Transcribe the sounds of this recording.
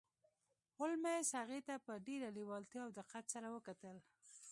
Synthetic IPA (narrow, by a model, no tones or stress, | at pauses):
ʊlmeshaɣet̪apəɖeɾaliwɑlt̪jɑawd̪əqat̪saɾawəkat̪əl